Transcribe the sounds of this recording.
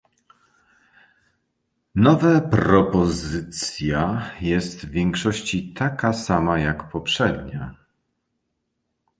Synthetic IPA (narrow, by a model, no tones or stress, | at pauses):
nɔvɛpɾɔpɔzɘt̪sʲjajɛst̪vvʲjɛŋkʂɔɕt͡ɕit̪akasamajakpɔpʂɛd̪ɲa